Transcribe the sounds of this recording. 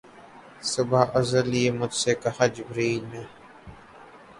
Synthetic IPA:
sʊbaːʔəzəlieːmʊd͡ʒseːkahad͡ʒɪbɾiːlmẽː

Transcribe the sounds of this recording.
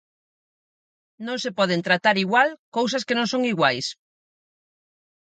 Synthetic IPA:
nõŋsepɔð̞ent̪ɾat̪aɾiɣwalkows̬ɐskenõŋsõŋiɣwajs

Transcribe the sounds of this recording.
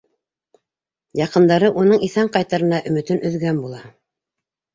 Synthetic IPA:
jɑqɤ̆nd̪ɑɾɤʔunɤɴiθæɴqɑjt̪ɑɾɤ̆nɑʔɵ̆mɘ̆t̪ɘnʔɵ̆ðɡænbulˠɑ

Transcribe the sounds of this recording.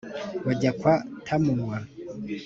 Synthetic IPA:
waɟakwatʰamunwa

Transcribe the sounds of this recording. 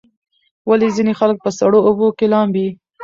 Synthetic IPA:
walizinexalək̚pəsaɽoobokelɑmbi

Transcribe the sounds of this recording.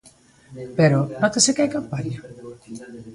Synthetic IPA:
peɾonɔt̪esekajkampaɾja

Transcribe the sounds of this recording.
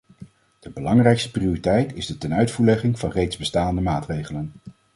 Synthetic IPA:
d̥əbəlɑŋrɛjkstə̥priʊritɛjtɪzdətɛnœɥtfuːɹlɛχɪŋv̥ɑnrejdzbəstaːndəmaːtrejχələn

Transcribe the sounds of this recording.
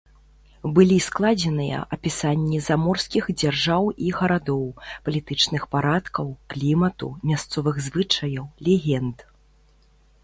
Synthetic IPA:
bɨlʲisklˠad͡zʲɛnɨjɐ̰ʔɐpʲisanʲːizamɔrskʲixd͡zʲarʐawiɣɐɾad̪ɔwpɐlʲit̪ɨt͡ʂnɨxpaɾat̪kɐwklʲimɐt̪ṵmʲast̪sɔvɨɣzvɨt͡ʂɐjɐwlʲɛɣʲɛnd̪

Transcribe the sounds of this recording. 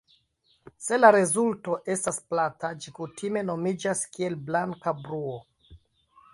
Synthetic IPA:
se̞laɾe̞zulto̞ʔe̞stasplatad͡ʒikutʰime̞no̞mid͡ʒaskie̞lblaŋkabɾuo

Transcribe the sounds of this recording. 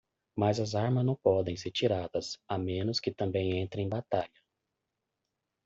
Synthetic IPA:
mazɐzaɾmɐznɐ̃w̃pɔd̪ẽj̃seɾt͡ʃiɾad̪ɐsamẽnʊskɪt̪ɐ̃bẽj̃ẽnt̪ɾẽj̃bat̪aʎɐ

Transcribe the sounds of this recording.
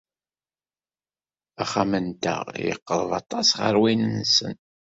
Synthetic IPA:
æχamənt̪ə̰ʁjə̰qːəðˤðˤɑt̪ˤɑsʁə̰ɾwinnsə̰n

